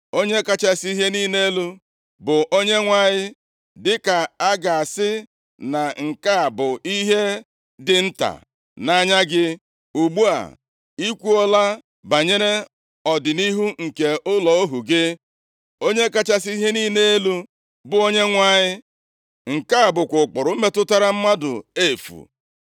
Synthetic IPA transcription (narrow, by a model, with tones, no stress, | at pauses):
o˦ɲe˦ka˦t͡ʃa˦si˦ɦe˦niː˦ne˦lu˦ | bʊ˨ʔo˦ɲe˦ŋʷa˦˨ɲɪ˦ | dɪ˦ka˨a˦ɡa˨a˨sɪ˦ | na˨ŋ̩˨ka˦a˨bʊ˨i˦ɦe˦ | dɪ˨n̩˦ta̰˨ | na˦ɲa˦ɡɪ˦ | u˨ɡ͡bu˦a̰˨ | i˦kʷu˦ɔ˦la˦ | ba˨ɲe˦ɾe˦ | ɔ˨dɪ˨ni˦ɦu˦ŋ̩˨ke˨ʔʊ˦lɔ˨o˦ɦu˨ɡe˦ | o˦ɲe˦ka˦t͡ʃa˦si˦i˦ɦe˦niː˦ne˦e˦lu˦ | bʊ˦o˦ɲe˦ŋʷa˦ɲɪ˦ | ŋ̩˨ka˦a˨bʊ˨kʷʊ˨k͡pʊ˨ɾʊ˨˦me˦tʊ˦ta˦ɾa˦m̩˦ma˦dʊ˨e˦˨fṵ˨